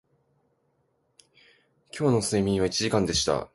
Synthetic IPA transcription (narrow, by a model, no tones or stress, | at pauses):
kʲo̞ːno̞sɨimʲĩɰ̃βait͡ɕiʑikãnd̪e̞ɕi̥t̪a̰